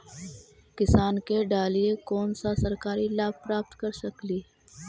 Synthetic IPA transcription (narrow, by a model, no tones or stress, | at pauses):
kɪsaːnkeɖaːliekɔːnsasɐɾkaːɾilaːpɾaːp̚t̪kɐɾsɐkliː